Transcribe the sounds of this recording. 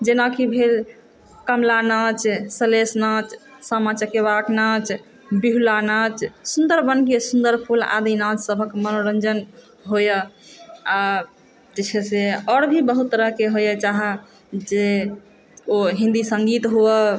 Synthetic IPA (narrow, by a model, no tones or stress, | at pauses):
d͡ʒenakibʱel | kəmlanat͡ʃsəlesnat͡ʃsamat͡ʃəkeβaknat͡ʃ | biɦulanat͡ʃsund̪əɾbənkesund̪əɾpʰula̰d̪inat͡ʃsəbʱəkmənoɾənd͡ʒən | ɦojə | a | t̪ət͡ʃʰeseɔɽbʱibəɦut̪ːəɾəɦkeɦojət͡ʃaɦɛ | d͡ʒe | oɦĩnd̪isə̃ŋɡit̪ɦuə